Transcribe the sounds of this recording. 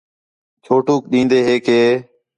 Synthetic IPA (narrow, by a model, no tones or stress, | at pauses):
t͡ʃʰoːʈuːkɗĩːnd̪eːɦeːkʰeː